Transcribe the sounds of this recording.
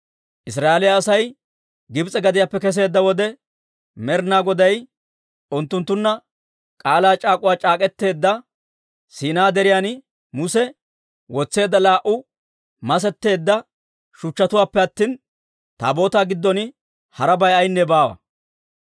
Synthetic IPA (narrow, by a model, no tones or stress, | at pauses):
ʔɪs̬ɾaːelɪjaːsɐj | ɡɪbt͡sʼɛɡɐd̪ɪjapːɛkɛs̬e̞ːd̪ːɐwɔd̪ɛ | mɛɾnaːɡɔd̪ɐj | ʊnt̪ːʊnt̪ːʊnːɐ | kʼaːlaːt͡ʃʼaːkʼʊwaːt͡ʃʼaːkʼɛt̪ːe̞ːd̪ːɐ | siːnaːd̪ɛɾɪjan | mʊsɛ | wɔt͡sːe̞ːd̪ːɐlaːʔʊ | mɐs̬ɛt̪ːe̞ːd̪ːɐ | ʃʊt͡ʃːɐt̪ʊwaːpːɛɐt̪ːiːn | t̪a̰ːbo̞ːt̪aːɡɪd̪ːɔnɪ | hɐɾɐbɐjɐjnːɛbaːwɐ̰